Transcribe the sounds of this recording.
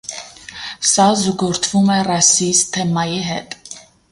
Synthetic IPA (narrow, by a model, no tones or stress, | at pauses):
sɑzuɡɔɾt̪ʰvumɛrɑsist̪ʰɛmɑjiɦɛ̰t̪ʼ